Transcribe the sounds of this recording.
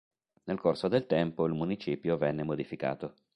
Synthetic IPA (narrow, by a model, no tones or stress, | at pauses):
nelkorsod̪elt̪ɛmpoilmunit͡ʃiːpjovɛnːemod̪ifika̰ːt̪o